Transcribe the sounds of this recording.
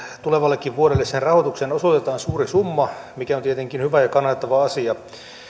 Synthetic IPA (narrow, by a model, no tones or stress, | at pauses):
t̪uleʋɑlːekːiʋʋuodelːessenrɑhot̪uksenosot̪et̪ɑːnsuːrisumːɑmikæont̪iet̪eŋkinhyʋæjɑkɑnːɑt̪ːɑʋɑɑsiɑ